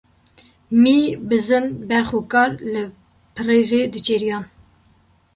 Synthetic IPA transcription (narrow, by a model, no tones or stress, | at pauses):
miːbɨzɨnbɛɾxokɑːɾlɨ | pʰɨreːzeːd̪ɨt͡ʃeɾijɑːn